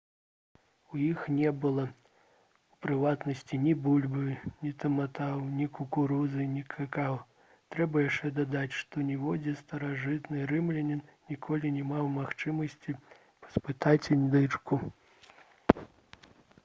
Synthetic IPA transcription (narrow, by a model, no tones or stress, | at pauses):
wjixnʲɛbɨlˠɐ | upɾɨvat̪nɐsʲt͡sʲinʲibulʲbɨnʲit̪ɐmat̪awnʲikukuɾuzɨnʲikʰakaw | t̪ɾɛbɐjaʂt͡ʂɛd̪ad̪at͡sʲʂt̪ɔnʲɛvɔd͡zʲɛst̪ɐɾaʐɨt̪nɨɾɨmlʲɛnʲɛnnʲikʰɔlʲinʲɛmawmaxt͡ʂɨmɐsʲt͡sʲi | pɐ̥spɨt̪at͡sʲnd̪ɨt͡ʂku